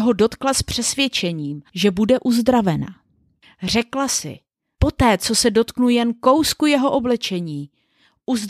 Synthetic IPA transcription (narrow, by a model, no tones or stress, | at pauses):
ɦo̞do̞t̪klaspr̝̥ɛsvjɛt͡ʃɛɲiːmʒɛbudɛʔuzd̪ɾavɛna̰ | r̝ɛklasɪ̰ | po̞t̪ɛːt͡so̞sɛdo̞t̪knujɛnko̞wskujɛɦo̞ʔo̞blɛt͡ʃɛɲiː | ʔuzd